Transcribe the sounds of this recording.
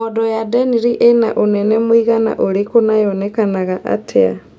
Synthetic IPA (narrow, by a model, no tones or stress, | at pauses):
ɔdɔjadɛniɾiʔena̰ʔonɛnɛmwiɣana̰ʔoɾekonajɔnɛkanaɣaʔa̰tʰea̰